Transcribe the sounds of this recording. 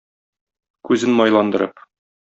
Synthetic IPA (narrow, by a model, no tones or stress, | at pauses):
kʉzɘnmɒjlˠɑnd̪ɤ̆ɾɤp